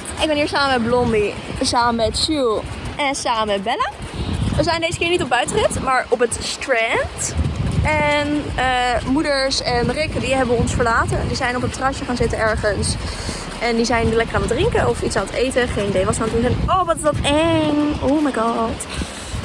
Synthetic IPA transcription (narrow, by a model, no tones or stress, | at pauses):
ɪɡ̚bɛniːɹsaːməmɛd̚blɔmbi | saːməmmɛtʃylˠʔɛnsaːməmmɛt̚bɛla | ʋəzɛjndejzəkɪːɹnitɔb̚œɥtərɪtmaːɹɔpətstrɛnt | ɛnəmudəɹsɛnrɪkdiɦɛbəɔnsfəɹlaːtəndizɛjnɔp̬ətrɑʃəχaːnzɪtənɛɹχəns | ʔɛndizɛjntlɛkəraːnədrɪŋkəɔfitsaːnətejtəχejndejʋɑsaːtusɛnowʋɔtɪsɔtɛŋomajɡɑt